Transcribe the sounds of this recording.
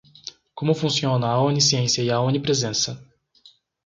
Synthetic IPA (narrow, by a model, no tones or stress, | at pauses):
kõmʊfũsiõnɐːunisiẽsiɐiaũnipɾezẽsɐ